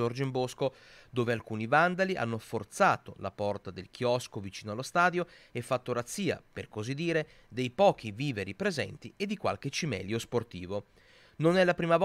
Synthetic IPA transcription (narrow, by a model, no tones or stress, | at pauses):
ord͡ʒimbosko | d̪oːvealkuːnivand̪aliʔa̰nːofort̪saːt̪ola̰pɔrt̪ad̪elk̟ʰjɔskovit͡ʃiːnoalːost̪aːd̪joefːat̪ːoɾat̪sːiːa̰perkozid̪ːiːɾe | d̪ejpɔːk̟iviːveɾipɾezɛ̰nt̪ied̪ːikwa̰lk̟et͡ʃimɛ̰lːjosport̪iːvo | nonɛlːapɾiːmav